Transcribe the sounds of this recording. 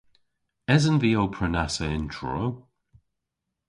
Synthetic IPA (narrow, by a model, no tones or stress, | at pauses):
ɛzənviːowpʰɹənasəɪntʰɹɔ̰w